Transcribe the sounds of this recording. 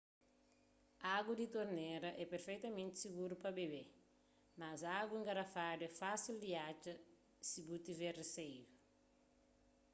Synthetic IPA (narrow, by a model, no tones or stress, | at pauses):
aɡud̪it̪oɾnɛɾɐʔɛpeɾfejt̪ɐmẽnt̪i̥siɡuɾupɐbebe | mazaɡuĩŋɡɐɾafadɛfasild̪iat͡ʃɐ | sibut̪ivɛresejdu